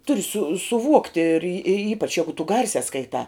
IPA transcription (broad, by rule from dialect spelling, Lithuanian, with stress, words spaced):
ˈtʊrʲɪ sʊ sʊˈʋuɔktʲɪ ɪr ɪr ɪr ˈiːpɐt͡ʃ ˈjæːɡʊ tʊ ˈɡɐrʲsʲæː skɐɪˈtɑː